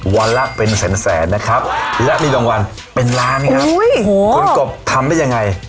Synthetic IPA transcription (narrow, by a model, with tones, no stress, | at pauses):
wa˧nla˦˥pe˧nsɛː˩˦nsɛː˩˦nːa˦˥kʰɾa˦˥p̚lɛ˦˥ʔmiː˧lɔː˧ŋwa˧n | pe˧nlaː˦˥nkʰa˦˥˦jʰu˧˦nko˨˩p̚t̪ʰa˧mda˥˩ja˧ŋːa˧j